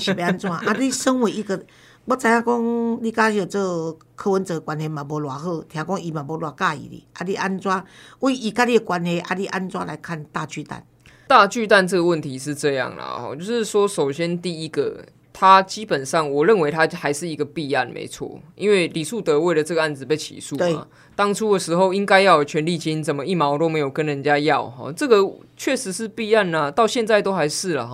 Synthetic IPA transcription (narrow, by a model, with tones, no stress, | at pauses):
ɕi˨˩pe˧a˧˦nt͡swa˦ʔa˨˧li˦ʂə˦nwe˧˦i˧ɡə˨ | wɔ˥˦t͡sa˨˧˦ja˥˧kɔ˦˥ŋli˥˧˩ka˦i˧o˨˩t͡sə˥˩ɡə˨˩ | kʰɤ˧˥wə˨˦nt͡sə˨˦˧kwa˨˦nhe˨˧mã˨˩bɔ˨˧lwa˨˩xɤ˥˧˨t̪ʰjã˨˦kɔ˦ŋi˨˩mã˨˩bɔ˨˧lwa˨˩ka˥˧ḭ˨lḭ˨˩ʔa˧li˥˧˩ʔa˦nt͡swa˦wɔ˥˦i˨ʔi˨ka˥˧˦li˥˧ə˨˩kwa˨˦nhe˨˧ʔa̰˧li˦˧ʔa˦˥nt͡swa˦˥la˨˦ɪkʰa˥˧˨nt̪a˥˧˨t͡ɕy˥˧t̪a̰˥˩˨n | t̪a˥˧t͡ɕy˥˧t̪a˥˧nt͡sə˥˩ɡə˩wə˥˨nt̪ʰi˨˦ʂ̬ɻ̩˥˧ʈ͡ʂɤ˥˧jɑ̰˥˨ŋlə̰˨˩hɔ̰˧t͡ɕjo˥˧ʊʂɻ̩˥˩swɔ˦˥ʂo˨˩ʊɕjɛ˦nt̪i˥˨i˦ɡə̰˨ | t̪ʰa˦t͡ɕi˦pə˨˩nʂɑ˥˩ŋwɔ˨˩ɻə˥˨nwe˧˥ɪt̪ʰa˥xa˧˥ɪʂɻ̩˥˩i˧˥ɡə˨pi˥˧a˥˩nmʔḛ˧˥ɪt͡sʰwɔ̰˥˩ḭ˦˥nwe˥˩ɪli˨˩ʂu˥˩t̪ɤ˧˦we˥˩ɪlə˩t͡sɤ˥˩ɡə˩a˥˩nd͡zɹ̩˨˩pe˥˧ɪt͡ɕʰḭ˨˩su˥˨ḛ˨˩˨ | t̪ɑ˦˥ŋʈ͡ʂʰu˥d̪ə˨ʂɻ̩˧˥xo˥˩ʊi˦ŋka˥ɪjɑ˥˩ʊ˨˩t͡ɕʰɥɛ˧˦nli˥˩t͡ɕi˥nt͡sə˨˩nmə˦i˥˩mɑ˧˥ʊt̪o˥ʊme˧˥ɪjo˨˩ʊkə˦nɻə˧˦nt͡ɕja˦jɑ˥˨˩ʊɦɔ̰˥˩ʈ͡ʂɤ˥˩ɡə˨ | t͡ɕʰɥɛ˥˩ʂɻ̩˧˦ʂɻ̩˥˧pi˥˧a˥˩nlə˩t̪ɑ˥˧ʊɕjɛ˥˧nt͡sa˥˧ɪt̪o˥ʊxa˧ɪʂɻ̩˥˩lə̰˩ɦɔ˨˦